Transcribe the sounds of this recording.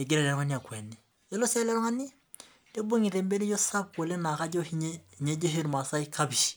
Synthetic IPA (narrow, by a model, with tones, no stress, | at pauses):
e˨ɡi˦ɾɛ˨lɛ˨ɾɔ˦ŋa˦ni˦a˨kwɛ˨nːi˨ | je˦lo˦sɛ˦lɛ˦ɾɔ˦ŋa˦nːi˦ | d̥e˦bo˦ŋi˨ɾe˨mbe˦ni˦jo˦sa˦b̚ko˨le˦na˨ka˦ɟo˦hi˦ɲe˦hɲe˦d͡ʒo˦ɦi˦ɾma˨sa˦i˦kʰa˦bi˨ʃi̥˨